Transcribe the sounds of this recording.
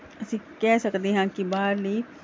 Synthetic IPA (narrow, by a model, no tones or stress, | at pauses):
ɐsĩkɛɦsɐkd̪iɦɛ̃kibaːɾliː